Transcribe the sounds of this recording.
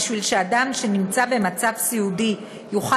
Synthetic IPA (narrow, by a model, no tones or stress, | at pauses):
ʃvilʃeadamʃe̞nimt͡sabe̞mat͡savsiudi | juχa